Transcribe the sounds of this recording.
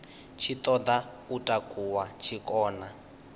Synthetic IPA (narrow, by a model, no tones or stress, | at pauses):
t͡ʃʰit̪ɔd̪a | utʼakʼuwat͡ʃʰikʼɔːna